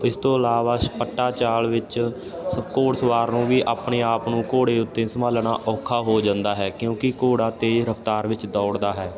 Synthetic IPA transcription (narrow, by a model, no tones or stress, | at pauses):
ɪst̪õːəlaːʋaːpəʈːaːt͡ʃaːlʋɪt͡ʃ | səbkoːɽsəʋaːɾnũːʋiːʔaːpɳeːaːpnũːkoːɽeːʊt̪ːẽːsəmaːlɳaːʔɔːkʰaːɦoːd͡ʒãːnd̪aːɦɛːkjõːkɪkoːɽaːt̪eːɾəpʰt̪aːɾʋɪt͡ʃd̪ɔːɽd̪aːɦɛː